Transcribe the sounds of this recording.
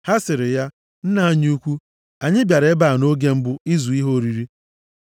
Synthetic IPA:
ha˦sɪ˨ɾɪ˨ja˦ | n̩˦na˨a˦ɲ˦u˦kʷu˦ | a˨ɲɪ˦bja˨ɾe˦ba˨no˦ɡe˦m̩˦bʊ˦i˦zu˨i˦ɦo˦ɾi˨ɾi˦

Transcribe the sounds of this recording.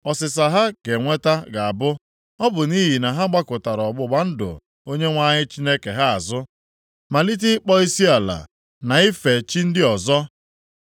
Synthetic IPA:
ɔ˨sɪ˨s̬a˨ɦa˦ke˨ŋʷe˦ta˦ɡa˨a˨bʊ˦ | ɔ˦bʊ˨ni˦ɦi˨na˨ɦa˦ɡ͡ba˦kʊ˨ta˨ɾɔ˨ɡ͡bʊ˦ɡ͡ba˦n̩˦dʊ̰˨ | o˦ɲe˦ŋʷa˦ɲɪ˦t͡ʃi˦ne˦ke˨ɦa˦a˨zʊ˦ | ma˨li˦t̬i˦k͡pɔ˦i˦si˦a˨la̰˨ | na˨i˦fe˨t͡ʃi˦n̩˦dɪ˦ɔ˨zɔ˦

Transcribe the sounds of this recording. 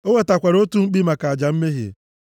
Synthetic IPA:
o˦ŋe˦ta˨kʷa˨ɾo˦tu˦ŋ͡m̩˦k͡pi˦ma˨ka˨a˨d͡ʒa˨m̩˦me˦ɦḭ˨

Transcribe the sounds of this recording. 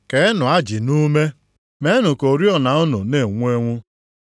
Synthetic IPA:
ke˨˦ɪ˦nʊ˨a˦d͡ʒi˨nu˦me˦ | me˦nʊ˨ko˨ɾi˦ɔ˨na˨ʊ˦nʊ̰˨ne˨ŋʷ˦e˦ŋʷʊ˦

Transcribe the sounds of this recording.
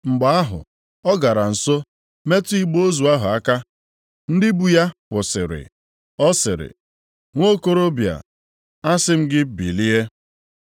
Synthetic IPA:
ŋ͡m̩˨ɡ͡ba˨a˦ɦʊ̰˨ | ɔ˦ɡa˨ɾa˨n̩˨so˦ | me˦tu˦i˦ɡ͡bo˦o˦zu˨a˦ɦʊ˨a˦ka˦ | n̩˦dɪ˦bu˨ja˦kʷʊ˨sɪ̰˨ɾɪ̰˨ | ɔ˦sɪ˨ɾɪ̰˨ | ŋʷo˦ko˦ɾo˦bja̰˨ | a˦sɪ˦m̩˦ɡɪ˦bḭ˨li˦e˦

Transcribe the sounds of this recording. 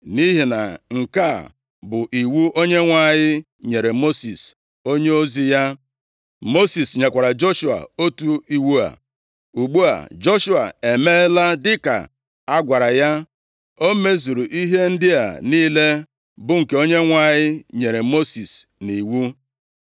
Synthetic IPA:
ni˦ɦi˨na˨ŋ̩˨ka˦˨ | bʊ˨ʔi˨wu˦ʔo˦ɲe˦ŋʷa˨ɲɪ˦ | ɲe˨ɾe˨mo˦si˨s | o˦ɲe˦o˦zi˦ja˦ | mo˦si˨sɲe˨kʷa˨ɾa˨d͡ʒo˦ʃu˨a̰˨o˦tu˦i˦wu˦a̰˨ | u˨ɡ͡bu˦a̰˨d͡ʒo˦ʃu˦a̰˨e˨me˦la˦dɪ˦ka̰˨ | a˦ɡʷa˨ɾa˨ja˦ | o˦me˦zu˨ɾu˨ʔi˦ɦe˦n̩˦dɪ˦a̰˨niː˦le˦ | bʊ˦ŋ̩˨ke˦o˦ɲe˦ŋʷa˨ɲɪ˦ɲe˨ɾe˨mo˦si˨sni˨wu˦

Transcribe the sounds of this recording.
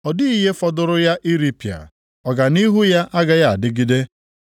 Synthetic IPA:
ɔ˨dɪ˦i˦ɦe˦fɔ˦dʊ˦ɾʊ˦ja˦ʔi˦ɾi˦pi˨a̰˨ | ɔ˨ɡa˨ni˦ɦu˦ja˦ʔa˦ɡa˦ja˦a˨dɪ˦ɡi˦de˦

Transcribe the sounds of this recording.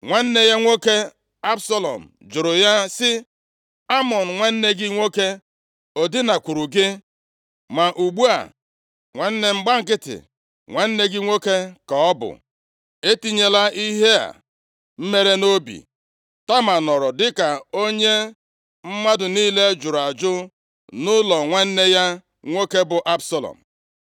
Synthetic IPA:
ŋʷe˦n̩˦ne˦ja˦ŋʷo˦ke˦ | a˦bsɔ˦lɔ̰˨m̩˨d͡ʒʊ˨ɾʊ˨ja˦sɪ˦ | a˦mɔ˨n̩˨ŋʷe˦n̩˦ne˦ɡɪ˦ŋʷo˦ke˦ | o˨dɪ˦na˨kʷu˨ɾu˨ɡɪ˦ | ma˨ʔu˨ɡ͡bu˦a̰˨ | ŋʷe˨n̩˦ne˨ŋ͡m̩˦ɡ͡ba˦ŋ̩˦k̬ɪ˦tɪ̰˨ | ŋʷe˨n̩˦ne˦ɡɪ˦ŋʷo˦ke˦ka˨ɔ˦bʊ̰˨ | e˦ti˦ɲe˨la˦ʔi˦ɦe˦a̰˨ | m̩˦me˦ɾe˦no˦bḭ˨ | ta˦ma˨nɔ˨ɾɔ˨dɪ˦ka˨o˦ɲe˦ | m̩˦ma˦dʊ˨niː˦le˦d͡ʒʊ˨ɾa˨d͡ʒʊ˦ | nʊ˦lɔ˨ŋʷe˦n̩˦ne˦ja˦ | ŋʷo˦ke˦bʊ˨ʔa˦bsa˦lɔ̰˨m̩˨

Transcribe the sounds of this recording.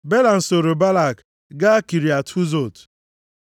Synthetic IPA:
be˦la˨n̩˨so˨ɾo˨ba˦la˨k | ɡa˦a˦ki˨ɾi˨a˨tʰu˦zo˦˨t

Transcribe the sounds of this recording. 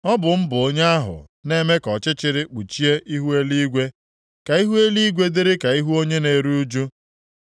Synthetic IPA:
ɔ˦bʊ˨m̩˦bʊ˨o˦ɲe˦a˦ɦʊ̰˨ | ne˦me˦kɔ˨t͡ʃɪ˦t͡ʃɪ˨ɾɪ˦k͡pu˨t͡ʃi˦e˦ʔi˦ɦu˦e˦li˦ɡʷe˦ | ka˨i˦ɦu˦e˦li˦ɡʷe˦dɪ˦ɾɪ˦ka˨i˦ɦu˦o˦ɲe˦ne˨ɾu˦u˦d͡ʒu˦

